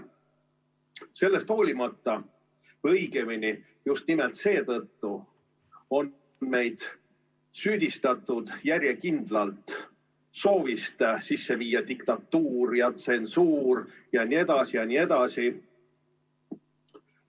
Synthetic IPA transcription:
se̞lːe̞st̪ho̞ːlʲimɑt̪ːɑ | ɤjɡemini | just̪̚nimelt̪se̞ːt̪ɤt̪ːu | o̞n | me̞jd̪̥ | syːd̪̥ist̪ɑt̪ːˑud̪̥jæɾʲjekind̪lɑlt̪ | so̞ːvist̪sisːe̞viːjːɑd̪ikt̪ɑt̪ːuːɾjɑt̪se̞nsuːɾjɑnie̞d̪̥ɑsijɑnie̞d̪̥ɑsi

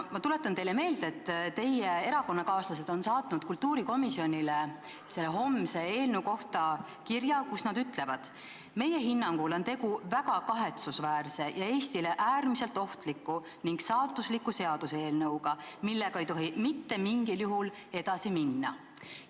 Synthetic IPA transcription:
mɑt̪ule̞t̪ːˑɑnt̪ejle̞me̞ːld̪e̞t̪ːt̪e̞jee̞ɾɑko̞nːɑkɑːslɑs̬e̞d̪̥o̞nsɑːt̪ˑnud̪̥kult̪ːuːɾiko̞misio̞nʲile | selːeɦo̞mse̞e̞ːlnewko̞ht̪ɑ | kirjɑkusnɑd̪yt̪le̞vɑd̪̥ | me̞je̞ɦinːɑŋɡ̥ulo̞nt̪e̞ɡuvæɡ̥ɑkɑɦe̞t̪susvæːrse̞jɑe̞ːst̪ileʔæːrmise̞lt̪ːo̞ht̪likːu | niŋɡsɑːt̪ːˑuslikːˑuse̞ɑd̪useːlnɤwɡ̥ɑmilːeɡ̥ɑejt̪o̞ɦimit̪ːe̞miŋɡiljuɦul | e̞d̪̥ɑsiminːɑ

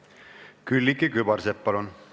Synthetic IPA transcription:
kylʲːikːikybɑɾseppɑlun

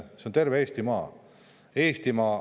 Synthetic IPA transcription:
sent̪e̞rveeːst̪imɑː | eːst̪imɑː

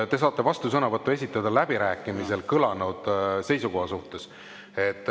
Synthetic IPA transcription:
t̪e̞s̬ɑːt̪ːˑe̞vɑst̪usɤnɑvɤt̪ːˑue̞sʲit̪ːˑɑd̪ɑlæb̥iɾæːkːˑimise̞lkɤlɑnud̪̥se̞jsuko̞ɦhɑsuht̪e̞s | e̞t̪ːˑ

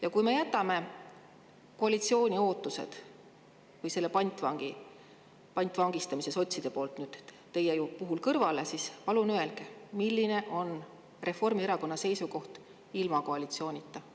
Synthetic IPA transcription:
jɑkujme̞jæt̪ːˑɑme̞ | ko̞ɑlit̪sio̞ːnʲio̞ːt̪ːˑusḛd̪̥ | vɤjse̞lːe̞pɑnʲt̪ˑvɑŋɡ̥i | pɑnʲt̪ːˑvɑŋɡ̥ist̪ɑmise̞so̞t̪ʲsid̪̥e̞po̞ːlt̪nyːd̪̥ | t̪e̞jːejupuɦulkɤrvɑle̞sispɑlunye̞lkemilːine̞ʔo̞n | re̞fo̞rmieɾɑko̞nːɑse̞jsuko̞ht̪ | ilmɑko̞ɑlit̪sio̞ːnʲit̪ːˑɑ

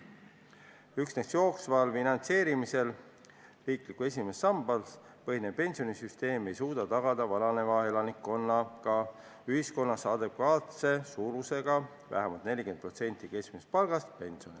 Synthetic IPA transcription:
yksnest̪jo̞ːksvɑlfinɑnt̪se̞ːɾimise̞l | riːklikue̞s̬ʲime̞sːɑmbɑls | pɤɦinepe̞nʲsio̞nisyst̪e̞ːme̞jsuːd̪̥ɑt̪ɑɡ̥ɑd̪̥ɑvɑnɑne̞vɑe̞lɑnikːo̞nːɑkɑ | yhisko̞nːɑsɑːd̪̥epkɑːt̪se̞suːɾuse̞ɡ̥ɑ | væ̰ɦæmɑlt̪nelʲike̞n̚pro̞t̪se̞nʲt̪ːˑike̞skmispɑlɡ̥ɑst̪pe̞nʲsio̞ni

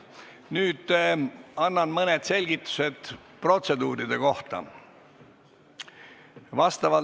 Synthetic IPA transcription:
nyːd̪̥ | ɑnːɑnmɤned̪̥se̞lʲɡ̥it̪ːˑu̥se̞d̪̥ | pro̞t̪se̞d̪uːɾid̪̥e̞ko̞ht̪ɑ̰ | vɑst̪ɑvɑ

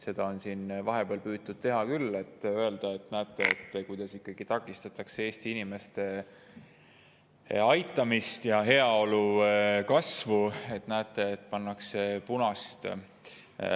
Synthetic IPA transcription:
se̞d̪̥ɑo̞nsiːnvɑɦe̞b̥eɑlpyːd̪̚t̪ud̪̥̚t̪e̞ɦɑkylːe̞t̪ːøe̞ld̪̥ɑe̞t̪næːt̪ːˑe̞ḛt̪ːˑkujd̪̥ɑsikːɑɡ̥it̪ɑkːˑist̪ɑt̪ˑɑksee̞ːst̪iinime̞st̪e̞ | ɑjt̪ːˑɑmist̪jɑɦe̞ɑo̞lukɑsvue̞t̪ːnæːt̪ːˑe̞ːt̪ːˑpɑnːɑkse̞punɑst̪

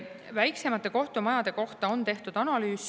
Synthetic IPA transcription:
væjkse̞mɑt̪ːˑe̞ko̞ht̪umɑjɑd̪̥e̞ko̞ht̪ɑont̪e̞ht̪ud̪ɑnɑlyːs

